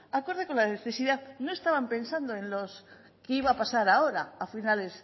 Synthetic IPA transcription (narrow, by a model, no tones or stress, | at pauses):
ako̞ɾðeko̞nlaneθe̞siðaðno̞e̞st̪aβampẽ̞nsand̪oẽ̞nlo̞s | keiβaːpasaɾao̞ɾaːfinales